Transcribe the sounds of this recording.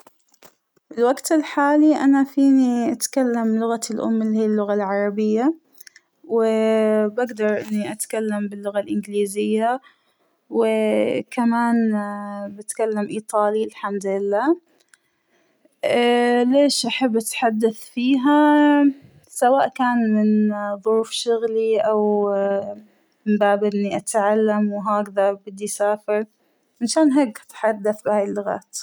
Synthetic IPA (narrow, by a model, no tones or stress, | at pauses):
ɪlwaɡt̪ɪlħaːliʔanafiːniʔat̪kalːamlʊɣalʔʊ̰mːɪlːihiːlːʊɣalʕɑɾˤɑbɪjːa | wɪbaɡd̪ɑɾˤʔɪnːiʔat̪kalːambɪlːʊɣalʔɪnɡliːzɪjːa | wɪkamaːn | bɪt̪kalːamʔiːt̪ˤɑːlilħamd̪lɪlːaː | leːʃʔaħabːʔat̪ħad̪ːaθfiːɦa | sawaːʔkaːnmɪnðˤʊɾuːfʃʊɣliʔaw | mɪmbaːbʔɪnːiʔat̪ʕalːamwɦaːkðɑɾbɪd̪ːisaːfɪɾ | ʔɪnʃaːnɦeːkḁt̪ħad̪ːaθbɪhaːjɪlːʊɣa̰ːt̪